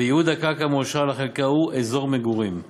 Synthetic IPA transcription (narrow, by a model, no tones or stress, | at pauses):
ejeud̪akakamoʃalaχelkauʔezo̞ʁmeɡuʁim